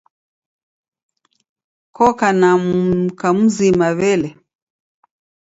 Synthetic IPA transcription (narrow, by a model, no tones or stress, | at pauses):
kɔkanakam̩zimaβɛlɛ